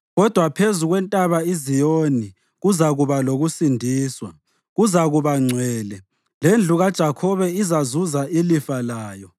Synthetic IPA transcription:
ɣɔd̥ʱwapʰezuɣwɛntʼaβaizijoni | ɣuzaɣuβaloɣusindʱiːswa | ɣuzaɣuβaŋ͡ǀʱwɛːlɛ | lend͡ɮʱuɣad̥ʒ̥ʱakʰɔβɛizazuzaʔilifalaːjɔ

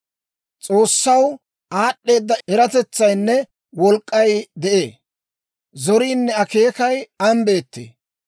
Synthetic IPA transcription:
t͡sʼo̞ːsːɐw | aːɗːe̞ːd̪ːɐɛɾɐt̪ɛt͡sːɐjnːɛ | wɔlkʼːɐjd̪ɛʔe̞̰ː | zɔɾiːnːɛɐke̞ːkɐjɐmbe̞ːt̪ːḛː

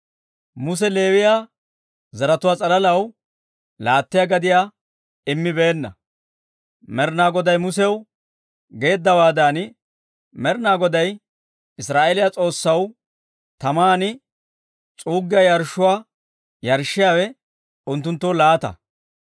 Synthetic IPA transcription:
mʊs̬ɛle̞ːwɪjaː | zɐɾɐt̪ʊwaːt͡sʼɐlɐlɐw | laːt̪ːɪjaɡɐd̪ɪjaː | ɪmːɪbe̞ːnːɐ̰ | mɛɾnaːɡɔd̪ɐjmʊsɛw | ɡe̞ːd̪ːɐwaːd̪aːn | mɛɾnaːɡɔd̪ɐj | ɪsɾaːʔeːlɪjat͡sʼo̞ːsːɐw | t̪ɐmaːnɪ | t͡sʼuːɡːɪjajɐɾʃːʊwaː | jɐɾʃːɪjaːwɛ | ʊnt̪̬ːʊnt̪ːɔwlaːt̪ɐ̰

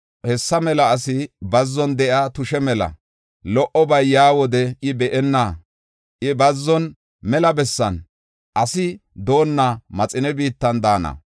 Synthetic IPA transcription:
hɛsːɐmɛlɐːsɪbɐzːɔnd̪ɛʔaːt̪ʊʃɛmɛlɐ̰ | lɔʔɔbɐjjaːwɔd̪ɛɪbɛʔɛnːa | ʔɪbɐzːɔn | mɛlɐbɛsːɐn | ʔɐsɪd̪o̞ːnːamɐt͡sʼɪnɛbiːt̪ːɐnd̪aːnɐ̰

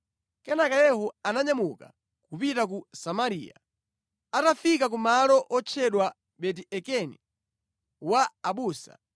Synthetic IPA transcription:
kɛnakajɛhɔanaɲamuka | kupitak̬usamaɾḭːja̰ | atafikakumalɔʔɔt͡ʃʰɛɗwa | ɓɛt̬iʔɛkɛnḭ | waːɓuːsa̰

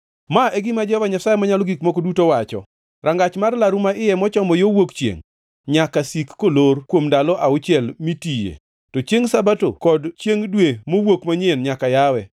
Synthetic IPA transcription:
maʔeɡɪmad͡ʒɔhɔvaɲasajemaɲalɔɡikmokodutowat͡ʃɔ̰ | ɾʔaŋɡat͡ʃmarlaɾumaʔɪjɛmɔt͡ʃɔmɔjowokt͡ʃḛŋ | ɲakasikːolorkwomdalɔʔaʊt͡ʃɪɛlmitijḛ | tɔt͡ʃjeŋsabato̰kɔdt͡ʃjeŋdwemowokmaɲenɲakajawɛ

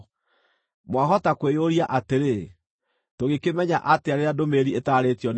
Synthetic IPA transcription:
mwaɦɔtakwejoɾiaʔateɾe | toɣekemɛɲaʔateaɾeɾadomeɾietaːɾetjɔn

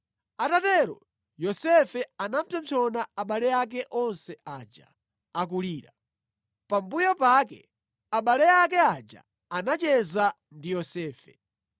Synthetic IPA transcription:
atatɛɾɔ̰ | jɔsɛfɛanam̩pʰɛmt͡ʃʰɔnaaɓalɛjak̬ɛʔɔnsɛaːd͡ʒa̰ | ak̬uliːɾa̰ | pambujɔpak̬ɛ̰ | aɓalɛak̬ɛad͡ʒa̰ | anat͡ʃɛza | ndijɔsɛːfɛ̰

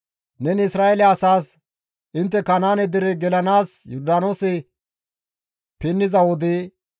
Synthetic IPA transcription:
nɛnɪsɾaːɛlɛɐsaːs | ʔɪnt̪̬ːɛkɐnaːnɛd̪ɪɾɪɡɛlɐnaːsjʊɾd̪aːnosɪ | pɪnːɪzɐwɔd̪ɪ

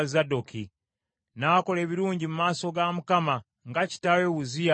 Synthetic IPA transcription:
zadokʰi | nako̞le̞ːβiɾuːɲɟimumaːso̞ɡamukama | ŋɡaci̥taɾeβuzija

